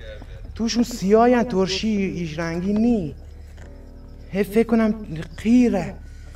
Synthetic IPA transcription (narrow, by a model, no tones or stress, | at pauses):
t̪ʰuʃumsijɔjænt̪ʰoɾʃiːʃɾæŋɡini | hefekʰːunæmqʰiɾæ